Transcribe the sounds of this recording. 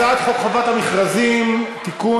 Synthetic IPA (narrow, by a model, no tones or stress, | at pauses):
aat̪χokχovat̪hamiχʁazimt̪iku